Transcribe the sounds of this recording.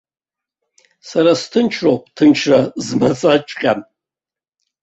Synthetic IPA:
saɾastʰɨnt͡ʃʰrowpʼtʰɨnt͡ʃʰrazmat͡sʼat͡ʃʼqʲʼan

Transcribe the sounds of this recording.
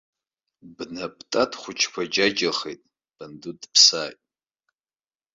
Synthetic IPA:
bnapʰʼtʼatʰχʷʊt͡ʃʰkʷʰad͡ʒad͡ʒaχejtʼ | b̥andudpʰsaːjtʼ

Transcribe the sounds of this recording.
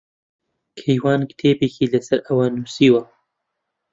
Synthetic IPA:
kʰejwɑːnkt̪ʰeːbekiːlɐsɐɾʔɐwɐnuːsiːwɐ

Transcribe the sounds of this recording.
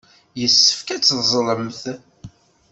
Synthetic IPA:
jəsːəfkæt͡sːzˤləmθ

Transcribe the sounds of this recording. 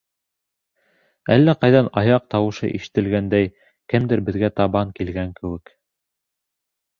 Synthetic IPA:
ælːæqɑjðɑnɑjɑq̚t̪ɑwɤ̆ʃɤ̰ʔḭʃɘ̥̆t̪ɘ̆lɡænd̪æj | kɘmd̪ɘɾbɘ̆ðɡæt̪ɑβɑŋkilɡæŋkɘ̆wɘk

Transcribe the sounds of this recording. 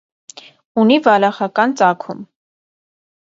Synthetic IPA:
univɑlɑχɑkɑnt͡sɑkʰum

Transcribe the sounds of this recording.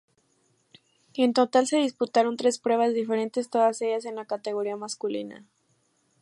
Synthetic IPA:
e̞nt̪o̞t̪alse̞ðisput̪aɾo̞nt̪ɾe̞spɾwe̞β̞azðife̞ɾe̞nt̪e̞st̪o̞ðase̞ʝas̬e̞nlakat̪e̞ɣ̞o̞ɾiamaskulḭna̰

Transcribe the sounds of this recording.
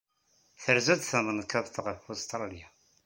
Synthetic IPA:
θəɾzæd̪θæmənkæðθʁəfust̪ɾˤɑlija

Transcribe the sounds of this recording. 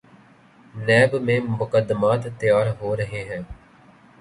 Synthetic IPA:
nɛːbmẽːmʊkəd̪ːəmaːt̪ːɪjaːɾɦoːɾəɦeːɦɛ̃ː

